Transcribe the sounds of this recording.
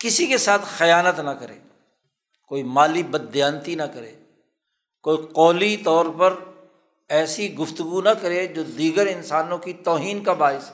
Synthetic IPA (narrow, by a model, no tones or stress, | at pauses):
kɪsikesaːt̪ʰxɐjaːnət̪nɐkɐɾḛː | koːimaːlibɐd̪jaːnt̪inɐkɐɾḛː | koːiqɔːlit̪ɔːɾpɐɾ | ɛːsiɡʊft̪ʊɡunɐkɐɾed͡ʒoːd̪iːɡəɾɪnsaːnõkit̪ɔːɦiːnkabaːɪs